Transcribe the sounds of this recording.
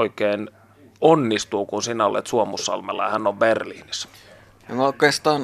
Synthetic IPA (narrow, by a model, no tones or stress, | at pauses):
oikeːn | onːist̪uːkunsinæo̰lḛt̪suomusːɑ̰lmḛlːɑ̰jɑhænːoʋberliːnis | oŋoˑkˑest̪ɑːn